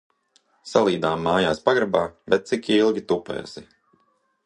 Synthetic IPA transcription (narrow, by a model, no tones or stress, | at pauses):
salˠiːd̪aːmːaːjaːspaɡɾabaːbɛt̪̚sikilˠɡʲit̪upɛ̰ːsi